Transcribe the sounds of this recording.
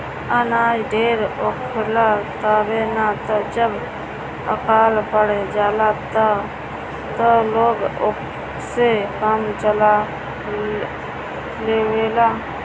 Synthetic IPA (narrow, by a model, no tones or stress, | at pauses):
ənaːd͡ʒɖeːɾokʰːlaːt̪aːʋeːnat̪od͡ʒəb | ə̰kaːlpəɽd͡ʒaːlaːt̪a | t̪oːloːɡo | sekəmt͡ʃəla | leːʋeːlaː